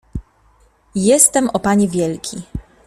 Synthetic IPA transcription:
jɛst̪ɛmɔpaɲivʲjɛlkʲi

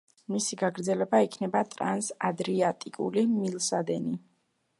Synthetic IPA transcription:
misiɡaɡɾd̪zɛlɛbaikʰnɛbat̪ʼɾansad̪ɾiat̪ʼikʼṵlimilˠsad̪ɛni

